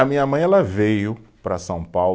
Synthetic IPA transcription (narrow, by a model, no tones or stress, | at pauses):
ɐmĩɲɐmɐ̃j̃ɛlɐvejʊpɾɐsɐ̃w̃paw